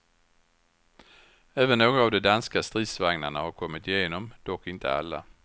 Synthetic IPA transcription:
ɛːvənːoːɡavd̪ɛd̪anskast̪ɾiːd̪svaŋnaɳahaɾkʰɔmːɪt̪jeːnɔmd̪̥ɔkːɪnt̪ʰə̰a̰lːa̰

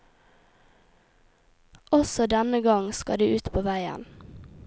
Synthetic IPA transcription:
ʔɔsɔd̪ɛnəɡɑŋskɑ̰d̪iːʔʉːt̪pʰoːʋæɪə̰n

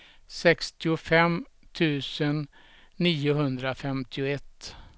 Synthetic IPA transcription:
sɛkst̪ɪʊfɛm | t̪ʰʉ̟ːsənː | iːʊɦɵnd̪ɾafɛmt̪ʰɪʊɛt̪ː

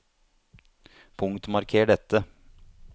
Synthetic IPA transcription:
pʰʊŋt̪mɑɾkʰeːɖɛt̪ːə

